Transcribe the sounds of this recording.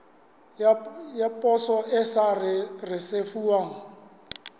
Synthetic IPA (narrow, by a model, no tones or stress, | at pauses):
japʼɔsɔʔɪsarɪrɪsefuwaːŋ̩